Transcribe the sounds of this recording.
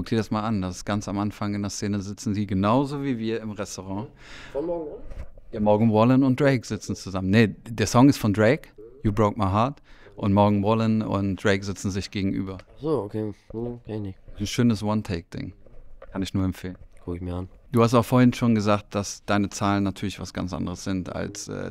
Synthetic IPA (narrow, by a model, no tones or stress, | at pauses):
kʰʊkd̥iːɐdasmaːlandasɪ̥sɡ̥ant͡samʔanfaŋɪndeɐst͡seːnəzɪt͡sn̩diːɡənaʊzoːviːviːɐɪmʁɛstoʁ̞ɑ̃ː | ɔ | iːmɔɐɡŋ̩ʁɔlənʊnt̚d̥ʁeɪkz̥ɪt͡sn̩t͡suzamənːədeːɐsɔŋɪstfɔndʁeɪkjuːbʁoʊkmaɪɦaɐt | ʔʊntmɔɐɡŋ̩wɔlənʊ̰ntd̥ʁeɪkz̥ɪt͡sn̩zɪçɡ̥eːɡŋ̩ʔy̰ːbɐsoːokʰeːkenɪnʃøːnəswɔntʰɛɪk̚d̥ɪ̰ŋkʰanɪçnuːɐɛmfeːlənkʰʊkɪçmiːɐand̥uːhastabɐfoːɐɪnʃoːnɡəzaːk̚t̚d̥asd̥aɪnət͡saːlənːatʰyːɐlɪçv̥asɡ̥a̰nt͡sʔa̰ndəʁəsz̥ɪnta̰lsʔɛ̰ː